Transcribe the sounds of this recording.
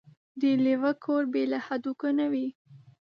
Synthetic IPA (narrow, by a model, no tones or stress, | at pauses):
d̪əlewakʰoɾbelahad̪ukənawi